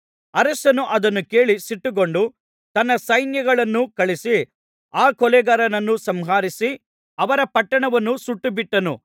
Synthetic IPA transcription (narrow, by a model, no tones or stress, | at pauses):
ɐɾɐsɐnuʔɐd̪ɐnːuke̞ːɭisiʈːuɡoɳɖu | t̪ɐnːɐsɐjnjɐɡɐɭɐnːukɐɭisi | aːkɔlɛɡɐɾɐnɐnːusɐmɦaːɾisi | ɐʋɐɾɐpɐʈːɐɳɐʋɐnːusuʈːubiʈːɐnṵ